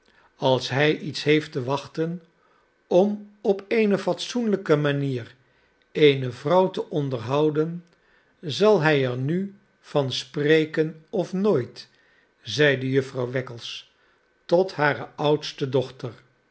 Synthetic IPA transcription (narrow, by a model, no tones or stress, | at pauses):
ɑlˠsɦɛjʔitsɦejftəʋɑχtən | ɔmɔpejnəfɑtsunləkəmaniːr | ejnəvrɑwtəʔɔndəɹɦɑwdən | zɑlˠɦɛjɛɹny | v̥ɑnsprejkənɔfnoːjt | zɛjdəjɵfrɑwʋɛkəlˠs | tɔtɦaːɾəʔʌwtstədɔχtəɹ